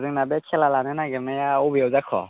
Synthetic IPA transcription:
zɯŋnabɛkʰɛlalanɯnaɡɛmajaɔbijawzakʰɔ̰

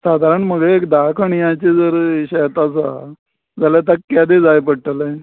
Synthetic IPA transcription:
sad̪ʱaɾəɳməɡeekd̪akʰəɳjãt͡ɕed͡zəɾɕəjt̪at͡sa̰ | d͡zaljat̪akːad̪ed͡zajpəɽʈəle

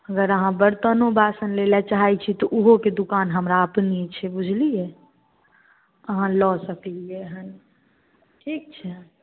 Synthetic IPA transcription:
əɡəɾəɦãbəɾt̪ənobasənlelat͡ʃaɦajt͡ʃʰit̪ɔʔuɦoked̪ukanɦəmɾaəpnit͡ʃʰɛbud͡ʒʱlije | əɦãlɔsəklijeɦən | ʈʰik̚t͡ʃʰɛ

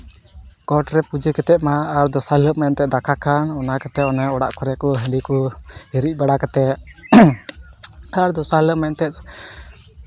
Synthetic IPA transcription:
kɔʈɾɛpud͡ʒɛkɛt̪ɛʔ̪maːɾd̪ɔsaləʔ̚mɛnt̪ɛd̪akʰakanɔnakat̪ɛʔɔnɛɔɽa̰ʔkɔɾɛkɔɦəikɔiɾic̚baɽakɛt̪ɛ | aɾd̪ɔsaləʔmɛnt̪ɛt̪̚

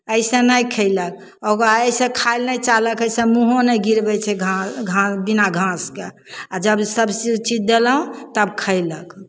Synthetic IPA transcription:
əjsẽnəjkʰəjlək̚ | oɡaəjsẽkʰajlnəjt͡ʃaləkəjsẽmuɦonəjɡʱiɾbɛt͡ʃʰɛɡʱaɡʱãbinaɡʱãske | ad͡ʒəbsəbsit͡ʃid͡ʒd̪eləũt̪əbkʰəjlək

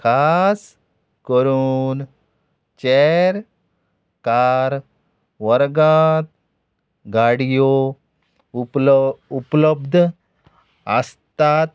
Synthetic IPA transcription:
kʰas | kəɾuːn | t͡ɕeɛɾ | kaɾ | ʋəɾɡat̪̚ | ɡaɽijo | upləb̚d̪ʱ | əst̪at̪̚

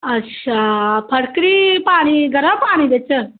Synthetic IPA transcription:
əɕapʰəɽkɾipaɽ̃iɡʱəɾəpaɽ̃id̪et͡ɕə

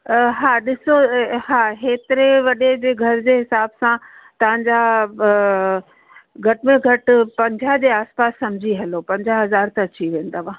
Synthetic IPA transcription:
ɦaːɗɪsoɦaːɦeːt̪ɪɾeʋɐɗed͡ʑeːɡʱɐɾd͡ʑeɦɪsaːbsãt̪ɐʋ̤ãɲ̆d͡ʑaː | ɡʱɐʈɪmẽɡʱɐʈpɐ̃ɲd͡ʑʱad͡ʑeaːspaːsːɐmd͡ʑʱiɦɐlopɐ̃ɲd͡ʑaɦɐzaːɾt̪ɐt͡ɕiʋẽːn̆d̪aːʋã

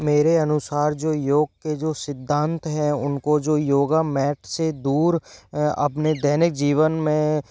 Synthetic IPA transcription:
meːɾeɐnʊsaːɾd͡ʒoːjoːɡ̚ked͡ʒoːsɪd̪ʱːãːnt̪ɦɛʊnkod͡ʒoːjoːɡamɛːʈʰsed̪uːɾɐ̰pned̪ɛːnɪk̚d͡ʒiːʋənmẽ

